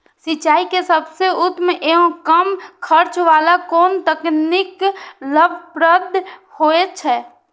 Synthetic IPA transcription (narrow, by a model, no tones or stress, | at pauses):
sit͡ʃaːikesəbseʊt̪mʔeɦõkəmkʰəɾt͡ʃʋaːlakoːnt̪əknikləbʱpɾəd̪ʱhoet͡ʃʰɛː